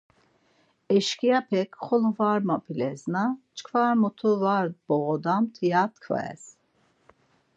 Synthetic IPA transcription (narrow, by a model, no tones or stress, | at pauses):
ɛʃkijapʰɛkχɔlˠuvaɾmapʰilɛznat͡ʃkʰvaɾmut̪ʰuvaɾb̥ɔɣɔd̪amt̪ʰijat̪kʰva̰ɛ̰s